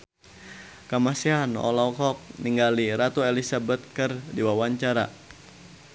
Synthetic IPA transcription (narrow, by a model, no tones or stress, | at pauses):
kəmasiɦanɔ̰lawkɔk̚niŋɡaliɾat̪uɛlisabət̪̚kɨrdiwawaɲt͡ʃaɾa